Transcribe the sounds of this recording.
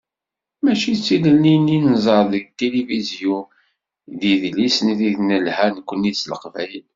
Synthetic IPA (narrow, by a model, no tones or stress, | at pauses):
mæʃit͡sːiləlininzˤəɾˤðəɡt̪elivizju | ðiðlisnðiðnəlhænkʷːənːit͡sːlə̰qvæjl